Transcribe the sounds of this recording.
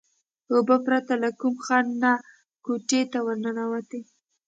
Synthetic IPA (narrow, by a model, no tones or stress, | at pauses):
hobapɾat̪alakumxɑnːa | koʈet̪awaɾnanawat̪e